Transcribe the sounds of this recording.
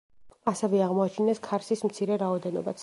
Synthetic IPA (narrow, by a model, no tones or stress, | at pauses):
asɛvɛaʁmɔat͡ʃʰinɛskʰaɾsismt̪sʰiɾɛɾaɔd̪ɛnɔ̰ba̰t̪sʰ